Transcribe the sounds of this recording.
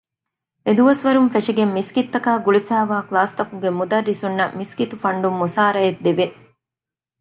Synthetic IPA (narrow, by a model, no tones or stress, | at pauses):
ed̪uʋɐsʋɐɾumfeʂiɡemːiskit̪ːɐkaːɡuɭifæːʋaːklaːst̪ɐkuɡemud̪ɐrːisunːɐmiskit̪ufɐɳɖumːusaːɾɐjed̪ːeʋe